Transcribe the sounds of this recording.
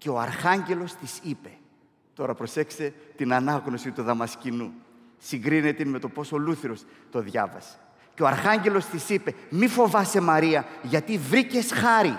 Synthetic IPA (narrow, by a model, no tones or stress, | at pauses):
ce̞o̞ɐ̰ɾxɐɲɟe̞lo̞st̪isipe̞ | t̪o̞ɾɐpɾo̞se̞kse̞t̪inɐnɐɣno̞sit̪uðɐmɐscinu | siŋɡɾine̞t̪ime̞t̪o̞po̞soluθiɾo̞s | t̪o̞ðʝɐ̰vɐ̰se̥ | ceo̞ɐɾxɐɲɟe̞lo̞st̪isipe̞mifo̞vɐse̞mɐɾiɐʝɐt̪ivɾice̞sxɐɾi